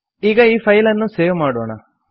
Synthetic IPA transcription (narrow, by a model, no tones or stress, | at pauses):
iːɡɐiːpʰɐjlɐnːuseːʋumaːɽuɳɐ